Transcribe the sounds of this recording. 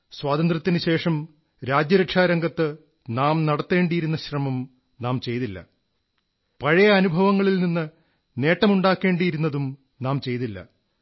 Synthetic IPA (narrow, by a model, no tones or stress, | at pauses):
swaːt̪ɐnd̪rɐt̪ːinɨɕe̞ːʂɐm | ɾaːd͡ʑjɐɾɐkʂaːɾɐŋɡɐt̪ːɨ | naːmnɐɽɐt̪ːe̞ːɳɖijiɾunːɐɕrɐmɐm | naːmt͡ɕe̞jt̪ilːɐ̰ | pɐɻɐjɐːnubʱɐʋɐŋːɐɭilninːɨ | ne̞ːʈːɐmuɳɖaːkːe̞ːɳɖijiɾunːɐðum | naːmt͡ɕe̞jt̪ilːɐ̰